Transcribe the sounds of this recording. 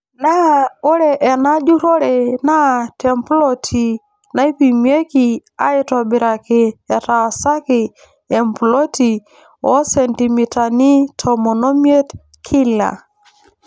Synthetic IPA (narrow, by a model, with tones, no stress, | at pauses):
na˦o˦ɾɛ˨ʔɛ˨na˦d͡ʒu˦ɾɔ˦ɾɛ˨na˦˨tʰɛ˨mplɔ˦tʰi˨ | na˦i˦pi˨mje˦ki˨a̰˦ɪ˦tɔ˨bɪ˨ɾa˨kɪ˨ɛ˨ta˨sa˦kɪ˨ | ɛ˨mpu˨lɔ˦ti˨ | ɔ˦sɛ˨nti˨mi˨ta˨ni˦tʰɔ˨mɔ˨no˦mje˦t | kʰi˦la̰˨